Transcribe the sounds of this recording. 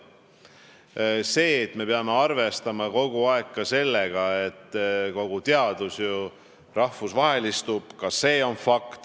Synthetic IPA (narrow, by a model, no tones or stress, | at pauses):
se̞ːt̪ːme̞peɑme̞ɑrve̞st̪ɑmɑko̞ɡ̥uɑe̞kːɑse̞lːeɡ̥ɑe̞t̪ːˑko̞ɡ̥ut̪e̞ɑd̪̥usju | rɑhvusvɑɦe̞list̪ub̥kɑsːe̞ːo̞nfɑkt̪